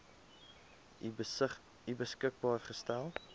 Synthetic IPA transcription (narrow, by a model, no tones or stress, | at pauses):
ibəskək̚bɑːrχəstælˠ